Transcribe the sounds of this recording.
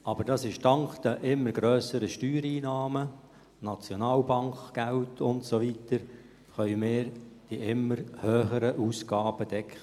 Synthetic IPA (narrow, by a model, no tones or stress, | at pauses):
ɑb̥əɾd̥ɑsɪʃtɑŋkd̥̪əʔɪmːəɾɡɾøːsəɾəʃtyːɾiːnɑːmə | nɑt͡sjonɑːlbɑŋkɡ̥æltʰʊntsovitəɾ | χœʏmɪːɾd̥iʔɪmːəɾhøːχəɾəʔuːsɡ̥ɑːb̥ədɛkχə